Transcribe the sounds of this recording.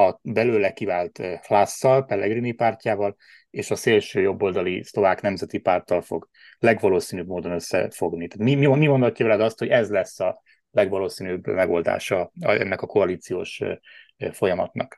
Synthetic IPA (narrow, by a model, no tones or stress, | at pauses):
ɒbɛløːlɛkivaːlt̪hlasːɒlpɛlːɛɡrinipaːrcaːvɒl | eːʃɒseːlʃøːjo̞bːo̞ld̪ɒlislo̞vaːknɛmzɛt̪ipaːrt̪ɒlfo̞ɡ | lɛɡvɒloːsiːnybmoːd̪o̞nøsːɛ̰fo̞ɡnit̪aːt̪mimimimo̞nd̪ɒcːavɛlɛd̪ɒst̪ho̞ɟɛzlɛsːɒ | lɛɡvɒloːsiːnyːbːmɛɡo̞ld̪a̰ːʃɒɛ̰nːɛkɒko̞ɒliːt̪sijo̰ːʃ | fo̞jɒmɒt̪nɒk